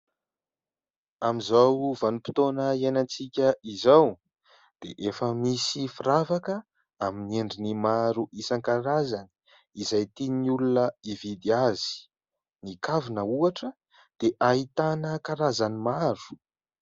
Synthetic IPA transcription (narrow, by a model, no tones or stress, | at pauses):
amizawvanupi̥t̪onəianant͡sikʲəizaw | d̪̥ḛʔefəmisifiravakə | aminieɳɖ͡ʐinimaɾuʔisaŋkaɾazani̥ | izajt̪iniulunəivid̪iazi̥ | nikavinəuaʈ͡ʂə | d̪̥eʔait̪anəkaɾazanimaɾu̥